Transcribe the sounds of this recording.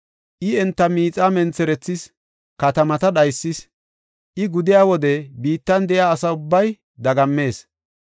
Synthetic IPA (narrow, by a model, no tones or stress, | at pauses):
ʔɪɛnt̪ːɐmiːt͡sʼamɛnt͡sɛɾɛt͡sːɪs | kɐt̪ɐmɐt̪ɐɗɐjsːɪs | ʔɪɡʊd̪ɪjaːwɔd̪ɛbiːt̪ːɐnd̪ɛʔjaːsɐʊbːɐj | d̪ɐɡɐmːe̞ːs